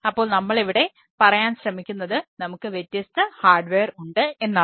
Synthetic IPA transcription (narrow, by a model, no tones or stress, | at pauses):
ɐpːo̞ːɭnɐmːɐɭeʋiɽe̞ | pɐrɐjaːnɕrɐmikʲːunːɐðɨnɐmukːɨʋjet̪ːjɐst̪ɐhaːɖʋeːruɳɖɨe̞nːaː